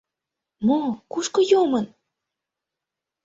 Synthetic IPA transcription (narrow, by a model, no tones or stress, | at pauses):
mokuʃkojomɤn